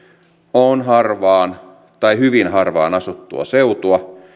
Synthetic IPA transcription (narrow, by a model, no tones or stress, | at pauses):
onɦɑrʋɑːn | t̪ɑihyʋinɦɑrʋɑ̰ːnɑsut̪ːuɑ̰seut̪uɑ